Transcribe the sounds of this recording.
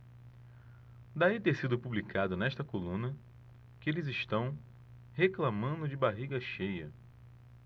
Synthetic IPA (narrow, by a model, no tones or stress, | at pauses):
d̪ait̪eɾsid̪ʊpublikad̪ʊnɛʃt̪ɐkolũnɐ | kɪelɪzɪʃt̪ɐ̃w̃ | heklamɐ̃nd̪ʊd͡ʒɪbaɦiɡɐʃejɐ̰